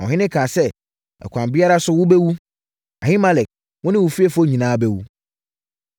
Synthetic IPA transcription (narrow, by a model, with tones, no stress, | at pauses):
ɔ̰̃˨ɦɪ̃˦nɪ̃˦kʰãː˨sɛ˦ | ɛ̰˨kʷʰã˨mbi˦a˦ɾa˦sʊ˦wʊ˦bɛ˦wu˦ | a˨hi˦ma˦lɛ˨k̚ | wɔ̃˦nɪ̃˦wʊ˨fi˦e˨fo˦˨ɲĩ˨nãː˦bɛ˦wu˦